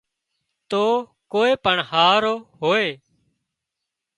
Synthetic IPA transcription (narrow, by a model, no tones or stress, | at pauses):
t̪oːkoːeːpəɳhaːɾoːɦoːeː